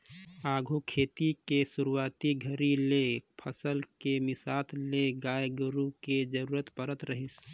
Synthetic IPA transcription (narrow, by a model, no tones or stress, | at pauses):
aːɡʱukʰeːt̪ikesʊɾuaːt̪iɡʱəɾilepʰəsəlkemɪsaːt̪leɡaːeɡʊɾuked͡ʒəɾuːɾət̪pəɾət̪ɾəɦɪs